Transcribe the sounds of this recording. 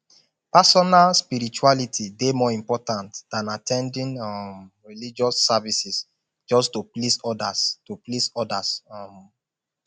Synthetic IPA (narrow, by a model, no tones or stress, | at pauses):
pasɔnalspiɹit͡ʃualitʰidemɔĩmpɔtãntd̥ãnatʰɛ̃ndĩnam | ɹilid͡ʒɔsːavisis | d͡ʒɔstuplisɔdastuplisɔdasɔm